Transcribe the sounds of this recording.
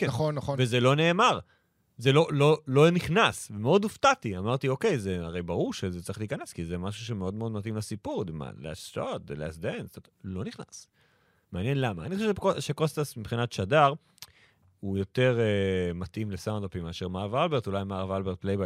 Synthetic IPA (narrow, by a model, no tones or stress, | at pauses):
kenχonːaχovezelo̞ne̞ːmaʁ | zelo̞lo̞lo̞niχnasvemeo̞d̪uft̪at̪iamaʁt̪io̞ke̞jzeaʁe̞jbaʁuʁʃezet͡sai̥χliːkaneskizemaʃuʃ̬eme̞o̞d̪meo̞d̪mat̪imlasipuʁd̪ima̰la̰stat̪dela̰sd̪entlo̞niχna̰s | meanjenlama̰ːniχoʃeʃkoʃekost̪asmipχinatʃadaʁ | ujo̞t̪e̞ʁemat̪ʔimlesaw̃ndapimeaʃeʁmaʁavalbe̞ʁt̪ulajmaʁavalbeʁt̪̚plejba